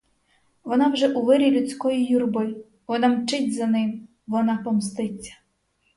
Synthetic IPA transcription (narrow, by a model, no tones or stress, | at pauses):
ʋɔnɑwʒɛʔʊʋɪɾʲilʲʊt͡sʲkɔjijurbɔj | ʋɔnɑmt͡ʃɪtʲzɐnɪm | ʋɔnɑpɔmst̪ɪt͡sʲːɐ̥